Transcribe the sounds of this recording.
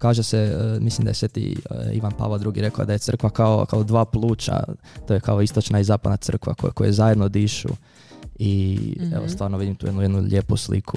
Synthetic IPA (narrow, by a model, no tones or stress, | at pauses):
kaːʒesemislimd̪ajesʋet̪ḭḭʋanpa̰ːʋlald̪ɾuɡiɾe̞koo̰d̪ajesr̩kʋakao̰kaod̪ʋaːplˠuːt͡ʃa̰ | t̪ojekao̞ist̪ot͡ʃnaizaːpad̪nat̪sr̩kʋa̰kokojezajed̪nod̪iʃṵ | iḛʋost̪ʋaːɾnoʋid̪imt̪uːed̪nuje̞d̪nuʎeːpuslḭkʰu